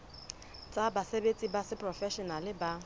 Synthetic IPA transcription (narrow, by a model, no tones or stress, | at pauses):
t͡sʼabasebet͡sʼibasɪpʼrɔfɛʃɔnalɪba